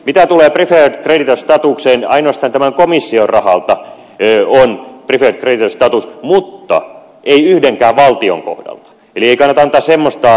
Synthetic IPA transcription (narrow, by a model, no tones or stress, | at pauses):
mit̪æt̪uleːprifertkredit̪ost̪ɑt̪ukseːnɑ̰inoɑst̪ɑnt̪æmæŋkomisːiorɑhɑlt̪ɑ | onpriferkredit̪ost̪ɑt̪usmut̪ːɑ̰ | ʔeiyhdeŋkæːʋʋɑlt̪io̰ŋko̰hdɑ̰lt̪ɑ̥ | elieikɑnːɑt̪ɑnːɑt̪ɑssemːost̪ɑ